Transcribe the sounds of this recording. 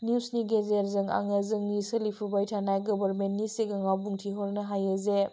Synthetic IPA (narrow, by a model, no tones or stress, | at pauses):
niwsniɡezeɾzɯŋa̰ŋezɯŋnisɯlipʰubajtʰanajɡɔbɐɾmentnisiɡaŋawbuŋtʰiɦɔɾnɐɦajeze